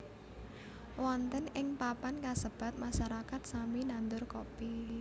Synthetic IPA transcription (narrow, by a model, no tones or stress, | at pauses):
wɔnt̪ənɪŋpapankasəb̥a̤t̪̚maʃaɾakat̪̚saminand̪ʊrkɔpi